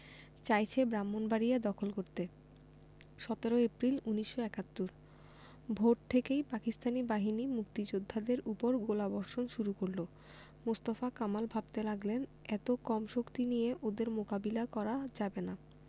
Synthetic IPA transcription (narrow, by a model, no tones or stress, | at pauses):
t͡ɕajt͡ɕʰebɾamːonbaɾijad̪ɔkʰolkoɾt̪e | ʃɔt̪eɾoepɾiluniʃːoɛkat̪ːoɾ | bʱoʈ̚t̪ʰːekejpakist̪anibaɦinimukt̪id͡ʑod̪ʱːad̪eɾupoɾɡolabɔɾʃonʃuɾukoɾlo | most̪afakamalbʱab̚t̪elaɡlenɛt̪okɔmʃokt̪inijeʔod̪eɾmokabilakɔɾad͡ʑabena